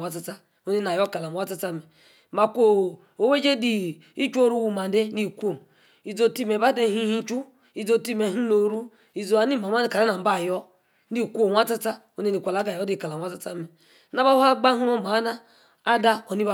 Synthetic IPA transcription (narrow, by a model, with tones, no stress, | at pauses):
a˦ta˦ta˦ | o˦ne˦na˨jɔ˦ka˨la˨wa˦ta˦ta˦me˨ | ma˨kʷo˦˨ | o˨we˦d͡ʒe˦di˨ | i˦t͡ʃu˦o˦ɾu˦wu˦˨ma˨n˦de˦ni˦˨kʷo˨ | i˨zo˦˨ti˦me˨ba˦de˦˨hi˦hi˦t͡ʃu˦ | i˨zo˦˨ti˦me˨ɦu˦no˨ɾu˦ | i˨zo˨a˨ni˦ma˨ma˦ka˨la˦na˨m̩˦ba˦˨jɔ˦ | ni˦˨kʷo˦˨wʷa˦ta˦ta˦ | o˦ne˦ni˨kʷa˨la˨˦ɡa˨jɔ˦di˦˨ka˨la˨a˦ta˦ta˦me˨˦ | na˦ba˦o˦a˦ɡ͡ba˦ɦu˦o˦ma˨˦na˦ | a˦da˦o˨ni˦ba˦˨